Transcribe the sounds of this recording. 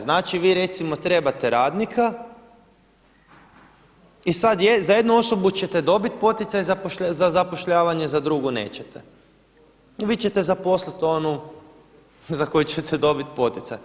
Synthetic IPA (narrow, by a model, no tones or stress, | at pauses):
znaːt͡ʃiʋiːɾe̞t̪simo̞t̪ɾe̞bat̪e̞ɾaːd̪nikʰa | isad̪jezaje̞d̪nuo̞so̞but͡ɕe̞t̪e̞d̪o̞bit̪̚po̞t̪it̪sajzapoʃazazapo̞ʃʎaːʋaɲe̞zad̪ɾuɡune̞̰ːt͡ɕet̪e | ʋiːt͡ɕet̪e̞zapo̞slit̪o̞nu | zakojut͡ɕet̪ʰed̪o̞bit̪po̞t̪ʲit̪sa̰j